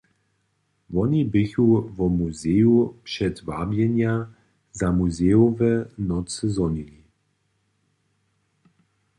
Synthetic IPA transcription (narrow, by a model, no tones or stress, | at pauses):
vɔnibɪçuvɔmuzɛjupʂɛtvabjɛnja | zamuzɛjovɛnɔt͡səzɔnili